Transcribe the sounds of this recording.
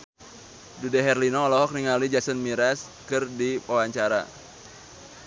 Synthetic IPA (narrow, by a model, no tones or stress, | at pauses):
dudɛɦɛrlinɔːlɔɦɔk̚niŋalid͡ʒasənmiɾas | kɨrdiwawaɲt͡ʃaɾa̰